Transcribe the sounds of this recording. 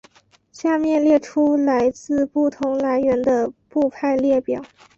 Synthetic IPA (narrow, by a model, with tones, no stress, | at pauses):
ɕja˥˧mjɛ˥˧nljɛ˥˩ʈ͡ʂʰu˥la˧˥ɪt͡sɹ̩˥˧pu˥˩t̪ʰʊ˧˥ŋla˧˥ɪɥɛ˧˥nd̪ə˧pu˥˧pʰa˥˧ɪljɛ˥˩pjɑ˨˩˦ʊ